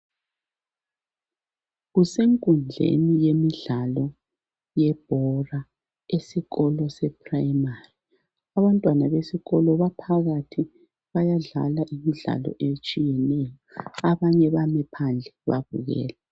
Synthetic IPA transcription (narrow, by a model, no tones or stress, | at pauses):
ɣuseŋkʼund͡ɮʱḛnijemiɮalɔ | jɛb̥ʱɔra | esiɣɔlɔsɛpʰʼrajmari | aβantʼwanaβesiɣɔlɔβapʰaɣatʰi | βajaɮa̰laʔimiɮa̰lɔ̰ʔet͡ʃʼijɛnɛjɔaβaɲɛβamɛpʰand͡ɮʱɛβa̰βṵɣɛ̰ːlɛ